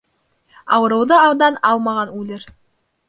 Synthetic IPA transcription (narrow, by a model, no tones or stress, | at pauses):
ɑ̰wɤ̆ɾɤ̆wðɤɑwd̪ɑnɑlˠmɑʁɑnʉlɘɾ